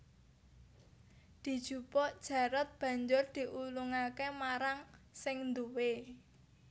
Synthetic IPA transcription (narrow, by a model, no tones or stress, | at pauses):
d̪̥i̤d̥ʒ̥ṳpɔʔd̥ʒ̥a̤ɾat̪̚b̥ä̤ɲd͡ʒʊrd̪̥i̤ʔuluŋakemaɾaŋsɪŋnd̪uwe